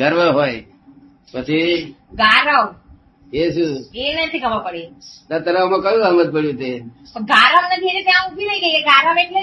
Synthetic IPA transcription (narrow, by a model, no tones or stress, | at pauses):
ɡəɾʋəɦoj | pət͡ʃʰiɡaɾaʋ | jesuenət̪ʰiɡʱəʋapəɽet̪at̪əɾamãkəjũɡamət̪̚pəɽjũt̪e | əɡʱaɾaʋnət̪ʰiet̪et̪jãubʱiɾəiɡəikeɡaɾaʋeʈle